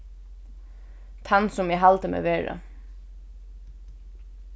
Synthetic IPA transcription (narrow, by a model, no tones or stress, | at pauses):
t̪ʰanːsʊmɛɦalt̪əmḛːʋeːɹa̰